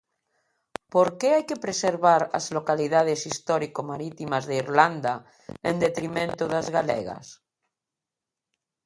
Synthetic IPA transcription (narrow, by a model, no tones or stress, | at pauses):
poɾkeajkepɾeseɾβaɾa̰zlokaliðað̞esist̪ɔɾikomaɾit̪imazðeiɾland̪a | end̪et̪ɾimẽnt̪oðazɣalḛɣa̰s